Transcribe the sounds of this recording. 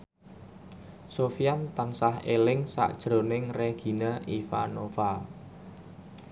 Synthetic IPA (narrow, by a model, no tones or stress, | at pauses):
sofijant̪ansahelɪŋsa̰ʔd̥ʒ̥ɾo̤nɪŋreɡ̥i̤naʔifanofa